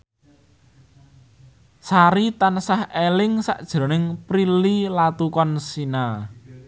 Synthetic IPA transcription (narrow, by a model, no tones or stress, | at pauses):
saɾit̪ansahelɪŋsa̰ʔd̥ʒ̥ɾo̤nɪŋpɾililat̪ukɔnsina